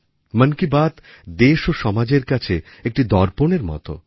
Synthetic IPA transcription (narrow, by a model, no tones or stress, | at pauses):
mənkibat̪ | d̪eʃoʃɔmad͡ʑeɾkat͡ɕʰe | ek̚ʈid̪ɔɾponeɾmɔ̰t̪o̰